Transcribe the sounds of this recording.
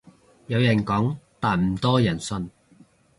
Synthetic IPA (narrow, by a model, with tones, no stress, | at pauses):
jɐ˨˧wjɐ˨˩nkɔː˨˥ŋt̪aː˨˩nm̩˨˩t̪ɔː˥jɐ˨˩nsɵ˧n